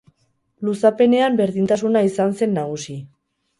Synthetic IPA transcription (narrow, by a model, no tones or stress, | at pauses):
lusape̞ne̞ambe̞ɾðint̪asunaisanse̞nːaɣ̞usi